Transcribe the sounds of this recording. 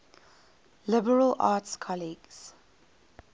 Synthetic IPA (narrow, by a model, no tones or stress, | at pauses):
lɪbəɹəlʔa̰ːtskʰɔliɡz̥